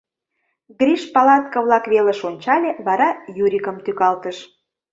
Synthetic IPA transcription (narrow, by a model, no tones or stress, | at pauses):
ɣrʲiʃpɑlɑt̪̚kɤ̆βlɑkβelə̆ʃonʲt͡ɕɑlʲeβɑɾɑjuɾʲikəmt̪ykɑlt̪əʃ